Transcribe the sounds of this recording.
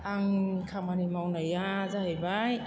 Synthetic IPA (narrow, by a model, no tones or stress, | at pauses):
aŋkʰamanimawnajazaɦajbaj